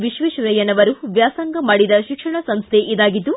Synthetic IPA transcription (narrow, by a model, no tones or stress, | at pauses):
ʋiʃʋiʃuɾɐjɐnɐʋɐɾuʋjaːsɐŋɡɐmaːɽid̪ɐʃikʂɐɳɐsɐmst̪ʰeʔid̪aːɡit̪ːu